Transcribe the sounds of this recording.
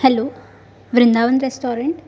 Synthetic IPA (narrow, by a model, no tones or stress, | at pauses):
hɛloː | ʋɾɪnd̪aːʋɐnɾesʈoːɾɐɳʈ